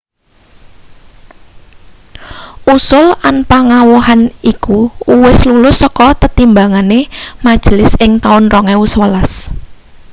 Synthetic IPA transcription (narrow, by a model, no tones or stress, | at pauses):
ʔusʊlʔanpaŋawuɦanikuuwɪslulʊsɔkɔt̪ət̪imbaŋanemad̥ʒ̥lɪsɪŋt̪aʊnrɔŋɛuswəlas